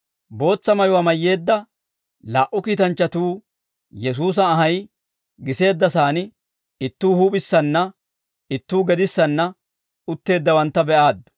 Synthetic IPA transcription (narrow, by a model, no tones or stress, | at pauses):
bo̞ːt͡sːɐmɐjʊwamɐjːe̞ːd̪ːɐ | laːʔʊkiːt̪ɐnt͡ʃːɐt̪uː | jɛs̬uːs̬ɐːɦɐj | ɡɪse̞ːd̪ːɐsaːnɪ | ɪt̪ːuːhuːpʼɪsːɐnːɐ | ɪt̪ːuːɡɛd̪ɪsːɐnːɐ | ʊt̪ːe̞ːd̪ːɐwɐnt̪ːɐbɛʔaːd̪ːʊ̥